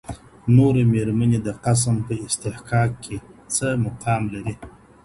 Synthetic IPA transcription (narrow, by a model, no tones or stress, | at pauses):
noɾemeɾmaned̪əqas̬mpəɪst̪ɪħqɑkʰːet͡səmʊqʰɑmlaɾi